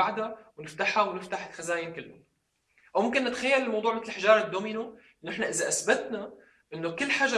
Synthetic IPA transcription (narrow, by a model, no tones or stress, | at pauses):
aʕd̪awnɪft̪aħawnɪft̪aħxazaːjɪnkɪlːʊ̰ | ʔawmʊmkɪnːɪt̪xajːalɪlmɑwd̪ˤuːʕmɪt̪lɪlħɪʒɑːɾˤɑd̪ːoːmɪnoʔɪnoʔɪħnaʔɪzaʔasbat̪na | ʔɪnːokɪlːħaʒɑ